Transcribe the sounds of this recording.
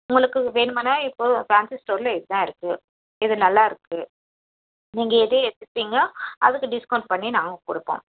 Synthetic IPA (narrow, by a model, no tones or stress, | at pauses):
ʊŋɡɐɭɯkːɯʋeːɳɯmanaːɪpːoːfaːnsɪsʈoːɾɪlɐɪðɯt̪ãːɪɾɯkːɯ | ɪðɯnɐlːaːɪɾɯkːɯ | niːŋɡɐɛðeːɛt̪ːɯt̪ːiːŋɡɐɐ̰ðɯkːɯɖɪskɐʊɳʈ̚pɐɳːinaːŋɡɐkʊɽɯpːõ̰ː